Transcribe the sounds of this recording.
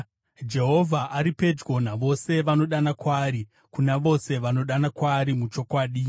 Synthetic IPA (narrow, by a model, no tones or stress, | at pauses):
d͡ʒe̞ɦo̞vʱaʔaɾipe̞d͡ʒɡo̞naʋo̞se̞ʋano̞ɗanakwaːɾi | kunaʋo̞se̞ʋano̞ɗanakwaɾimut͡ʃo̞kwaːɗi